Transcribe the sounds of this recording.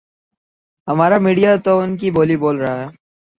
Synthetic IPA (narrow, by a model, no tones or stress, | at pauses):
ɦɐmaːɾamiːɖijat̪oʊnkiboːliboːlɾɐɦaɦɛː